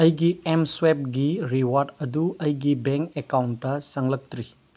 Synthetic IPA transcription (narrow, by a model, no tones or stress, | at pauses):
ɐjɡiemswep̚ɡiɾiwaɾdɐduɐjɡibeŋkekawntːɐsɐŋlɐk̚t̪ɾi